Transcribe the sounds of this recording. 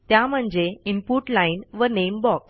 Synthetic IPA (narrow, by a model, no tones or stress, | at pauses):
t̪jam̤əɳd͡zeimpuʈlainʋənembɔks